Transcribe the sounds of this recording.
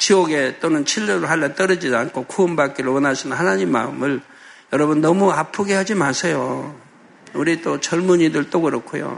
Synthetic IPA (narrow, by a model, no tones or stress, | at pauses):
t͡ɕiʌɡe̞t͈onɯnt͡ɕʰiʎːuɾɯɭɦaɭːant͈ʌɾɯd͡ʑidankʰokʰuːmbak͈eɾɯɭwʌnaɕʰinɯnhanaɲimːa̰ɯmɯɭ | jʌɾʌbunːʌmuapʰuɡe̞ɦad͡ʑimasʰejo | uɾit͈ot͡ɕʌɭmuɲidɯɭt͈oɡɯɾʌkʰojo̰